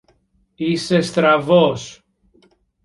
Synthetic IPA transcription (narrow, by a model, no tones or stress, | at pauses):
ise̞st̪ɾɐvos